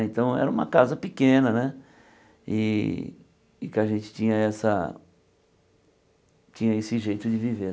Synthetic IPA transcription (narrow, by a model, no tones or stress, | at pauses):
ẽt̪ɐ̃w̃ɛ̰ɾɐũmɐ̰kazɐpɪkẽnɐnɛ | ɪ̰ | kɪaʒẽnt͡ʃɪ̥t͡ʃĩɲɐɛsɐ̰ | t͡ʃĩɲɐesɪʒejt̪ʊd͡ʒɪvive